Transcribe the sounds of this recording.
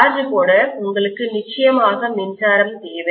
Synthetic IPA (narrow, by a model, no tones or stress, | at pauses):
ɾd͡ʒɯkoːɽɐʊŋɡɐɭɯkːɯnɪt͡ʃːɐjɐmaːɣɐnɪnsaːɾɐmt̪eːʋɐ